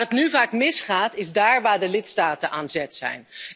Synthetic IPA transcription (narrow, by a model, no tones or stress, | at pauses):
ətnyvaːkmɪsχaːtɪzdaːɹʋaːɹdəlɪtstaːtənʔaːnzɛtsɛ̰jn